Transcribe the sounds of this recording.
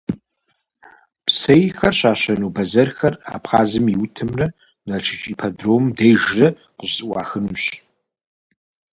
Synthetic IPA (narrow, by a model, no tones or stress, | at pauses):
psɐjxɐrɕaːɕɐnuːbɐzɐrxɐra̰ːpχaːzɨmiwtʰɨmrɐ | nɐt͡ʃʰɪt͡ʃʼiːpʰɐdroːmdejʒrɐ | qəʑzʼɨwʷɑːxɨnuɕ